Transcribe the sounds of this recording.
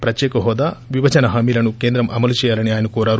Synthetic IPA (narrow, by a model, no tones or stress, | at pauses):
pɾɐt̪jɛːkɐɦɔːd̪aːʋiʋɐt͡ʃɐnɐɦaːmiːlɐnukeːnd̪ɾɐmʔɐmɐlut͡ʃɛːjaːlɐniaːjɐnɐkoːɾaːɾu